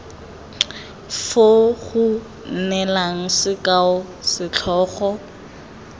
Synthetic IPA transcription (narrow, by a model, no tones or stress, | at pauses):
foɣʊ | n̩nɛlaŋ̩sɪkʼaʊ | sɪt͡ɬʰɔːɣɔ